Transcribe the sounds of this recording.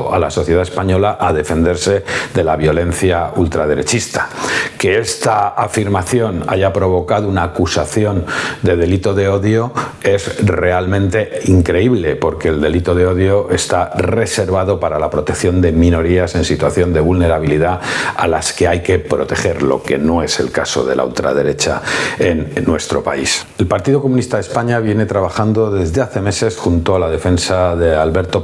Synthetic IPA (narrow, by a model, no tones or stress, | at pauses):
a̰laso̞θje̞ð̞ae̞spaɲo̞laʔaðe̞fe̞nd̪eɾse̞ðe̞laβjo̞lẽ̞nθjault̪ɾað̞e̞ɾe̞t͡ʃist̪ḁke̞est̪aafiɾmaθjo̞na̰ʝapɾo̞β̞o̞kaðounaːkusaθjo̞nd̪e̞ðe̞lit̪o̞ðe̞o̞ðjo̞e̞zre̞almẽnt̪e̞iŋkɾe̞iβle̞po̞ɾke̞ːld̪e̞lit̪o̞ð̞e̞o̞ðjo̞ʔe̞st̪are̞se̞ɾβ̞aðo̞paɾalapɾo̞t̪ekθjo̞nd̪e̞mĩno̞ɾiase̞nsit̪waθjo̞nd̪e̞β̞ulne̞ɾaβ̞iliðaa̰laske̞ajke̞pɾo̞t̪e̞xe̞ɾlo̞̰ke̞̰no̞e̞se̞̰lkaso̞̰ðe̞̰la̰ṵlt̪ɾa̰ð̞e̞ɾe̞t͡ʃa̰enːwe̞st̪ɾo̞pa̰is | e̞lpaɾt̪iðoko̞mũnist̪aðespaɲaβ̞je̞ne̞t̪ɾaβ̞axand̪o̞ðe̞zðeaθe̞me̞se̞sxunt̪oalaðe̞fe̞nsaðealβe̞ɾt̪o̞